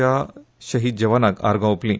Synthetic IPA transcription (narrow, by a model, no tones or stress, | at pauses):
a | ɕɐɦid͡ʑɐʋanaka̰ɾɡãuplĩ